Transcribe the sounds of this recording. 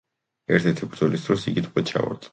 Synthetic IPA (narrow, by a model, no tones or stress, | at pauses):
ɛɾt̪ʰɛɾt̪ʰibɾd̪zɔlisd̪ɾɔsiɡit̪ʰqʼɛt͡ʃʰa̰va̰ɾt̪sʼ